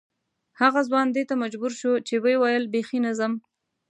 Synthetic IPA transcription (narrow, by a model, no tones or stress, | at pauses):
haɣazwɑnd̪et̪amad͡ʒbuɾʃot͡ʃewejwajəlbexinazəm